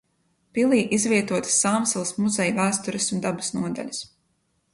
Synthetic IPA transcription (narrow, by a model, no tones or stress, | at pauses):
pilˠiːʔizvʲiɛt̪uɔt̪ɨ̥sːaːmsɛlˠsmuzɛjvæːst̪uɾɛsund̪abḁsnuɔd̪a̰ʎʲas